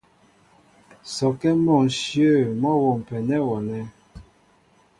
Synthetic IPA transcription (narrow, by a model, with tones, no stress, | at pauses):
sɔ˨kɛ˦mɔ˦˨ŋ˨sjə˦˨mɔ˦wo˨m˨pɛ˨nɛ˦wɔ˨nɛ˦